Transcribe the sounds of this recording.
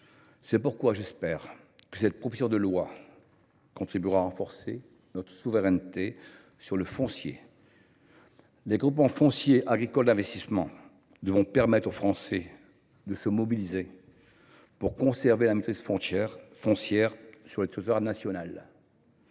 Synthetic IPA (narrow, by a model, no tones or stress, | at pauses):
sɛpuʁkwaʒɛspɛʁ | kə̥sɛt̪̚pχɔfizjɔ̃d̪əlwa | kɔ̃t̪χibyʁaʁɑ̃fɔʁse | nɔt̪χə̥suvəʁɛnt̪e | syʁləfɔ̃sjḛ | leɡʁupmɑ̃fɔ̃sjeʔaɡʁikɔld̪ɛ̃vɛst̪ismɑ̃ | d̪əvʁɔ̃pɛʁmɛt̪χofχɑ̃sɛ | d̪əsəmɔbilize | puʁkɔ̃sɛʁvelamet̪χiz̥fɔ̃fɔ̃sjɛʁsyʁlət̪it̪waʁnasjɔnal